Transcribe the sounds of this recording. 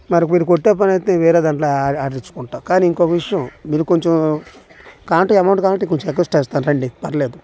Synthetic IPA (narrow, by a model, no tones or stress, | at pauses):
mɐɾɐkmiːɾukoʈːeːp̬ɐnɐjt̪eːʋɛːɾed̪aːɳʈloaːaːɖiɲt͡ʃu̥kuɳʈaːkaːniiŋkokɐʋiʂɐjɐmmiːɾukoɲt͡ʃɐm | kaːɳʈuɐmɐwɳʈkaːɳʈikoɲt͡ʃɐmekesʈɛːst̪aːnɾeɳɖipɐɾleːd̪u